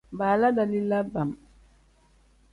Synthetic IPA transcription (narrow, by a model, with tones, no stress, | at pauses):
ba˨la˦da˨li˦la˦ba˨m